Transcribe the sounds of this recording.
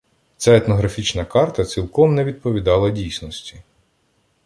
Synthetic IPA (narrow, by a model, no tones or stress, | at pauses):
sʲɛɛt̪nɔɦɾɐfʲit͡ʃnɐkɑrt̪ɐt͡sʲilˠkɔmnɛʋʲid̪̚pɔʋʲid̪ɑlˠɐdʲijsʲnɔsʲtʲi